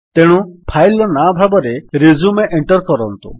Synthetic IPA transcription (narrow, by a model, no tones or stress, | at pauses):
t̪eɽ̃ũpʰajlɔnabʱabɔɾeɾizumeʔeɳʈɔɾkɔɾɔnt̪ṵ